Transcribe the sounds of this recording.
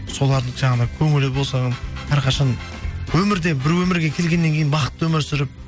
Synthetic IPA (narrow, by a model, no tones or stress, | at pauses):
so̞lˠɑɾd̪əɴʒɑɴɑd̪ɑkʲʰɵŋɪlɪbolˠsɑʁɑnæɾqʰɑʃɑn | wɵmɪɾd̪e̞bɪɾwɵmɪɾɡʲe̞kʲʰe̞lɡʲe̞nːe̞ŋkʲʰejɪnbɑqə̥t̪ːwɵmɪɾsʏɾɪp̚